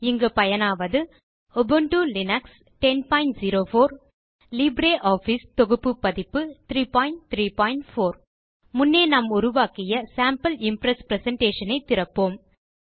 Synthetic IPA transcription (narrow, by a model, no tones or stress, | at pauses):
ɪŋɡɐpɐjɐnaːʋɐðɯ | ɔbɯɳʈulɪnɐks | ʈɛnpaːɪɳʈziɾoːfoːɾ | libɾeːʔaːfist̪ɔɣɯpːɯpːɐðɪpːɯt̪ɾiːpaːɪɳʈ̚t̪ɾiːpaːjɪɳʈfoːɾ | mʊnːeːnɐmʊɾʊʋaːkɪjɐsaːmpɐlɪmpɾɐspɾɛsɛɳʈeːʂɐnɐɪt̪ːɪɾɐpːoːm